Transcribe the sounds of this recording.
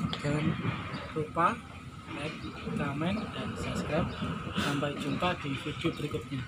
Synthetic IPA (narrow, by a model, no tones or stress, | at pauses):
ɡanrupah | ɛk̚kamɛnd̥ansapskɾap̚sampajt͡ʃunt̪aɡ̥ə̤ŋfud͡ʒ̥upəɾikʊt̪̚ɲa